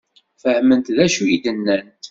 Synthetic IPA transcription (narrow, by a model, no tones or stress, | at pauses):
fəhmənt̪ðæʃujid̪ənːænt̪